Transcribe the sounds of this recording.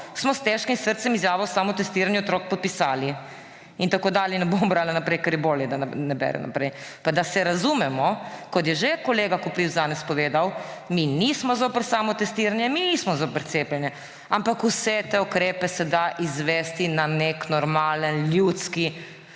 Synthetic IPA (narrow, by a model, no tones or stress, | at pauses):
smɔst̪ɛʃkimsəɾt̪sɛmizjaːʋowsaːmɔt̪ɛst̪iːɾanjɛɔt̪ɾoːk̚pɔt̪̚pisaːli | int̪akoːd̪aːljɛnɛbomɔbɾaːlanapɾɛjkɛɾjɛboːljɛd̪anɛbɛ̰ɾɛ̰nʔa̰pɾɛjpad̪asɛɾazuːmɛmɔkɔt̪jɛʒekɔleːɡakɔpɾiwzanɛspɔʋeːd̪awminismɔzopəɾsaːmɔt̪ɛst̪iːɾanjɛminiːsmɔzopəɾt̪seːplʲɛnjɛ | ampakusɛt̪eukɾeːpɛsɛd̪aʔizʋɛst̪inaneknɔɾmaːlənlʲjuːt̪ski